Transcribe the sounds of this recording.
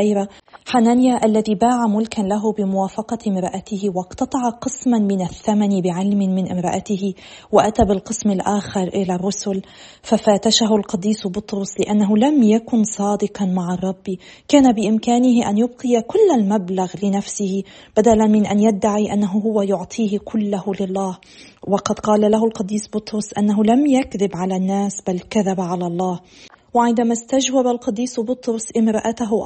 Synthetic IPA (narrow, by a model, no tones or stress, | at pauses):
aɾa | ħananjaʔalːaðibaːʕamʊlkanlaɦʊbɪmʊwaːfɑqɑɪmɾˤɑʔat̪ɪhwɑqt̪ɑt̪ˤɑʕɑqɨsmanmɪnaθːamanibɪʕalmɪnmɪnʔɪmɾˤɑʔat̪ɪɦɪ | wɪʔat̪abɪlqɨsmɪlʔaːxɪɾˤʔɪlarˤːʊsʊl | fafaːt̪aʃaɦʊlqɑd̪ːiːsbʊt̪ˤɾʊslɪʔanːaɦʊlamjakʊnsˤɑːd̪ɪɨqɑnmaʕɑrˤːɑbːi | kaːnabɪʔɪmkaːnɪhɪʔanjʊb̚qɨjakʊlːalmablaɣlɪnafsɪhɪ | b̥ad̪alanmɪnʔanjad̪ːaʕiʔanːaɦʊɦʊwajʊʕt̪ˤʰiːhkʰʊlːahʊlɪlˤːɑːh | wɑqɑd̪qɑːlalahʊlqɑd̪ːiːsbʊt̪ˤɾʊsʔanːaɦʊlamjakðɪbʕalanːaːsbalkaðabʕalalˤːɑːh | wɪʕɪnd̪amast̪ad͡ʒwabalqɑd̪ːiːsbʊt̪ˤɾʊsʔɪmɾɑʔat̪aɦʊ